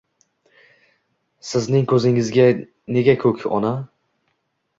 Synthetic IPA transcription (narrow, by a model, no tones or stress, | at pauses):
sɪznɪŋkʰɵzɪŋɪzɡʲa | ne̞ɡʲakʰɵkʲɒ̰na